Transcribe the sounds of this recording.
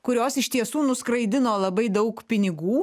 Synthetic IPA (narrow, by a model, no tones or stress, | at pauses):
kʊɾʲoːsɪʃʲt̪ʲiɛsuːnʊskɾɐɪd̪ʲɪnoːlˠɐbɐɪd̪ɐʊkpʲɪnʲɪɡuː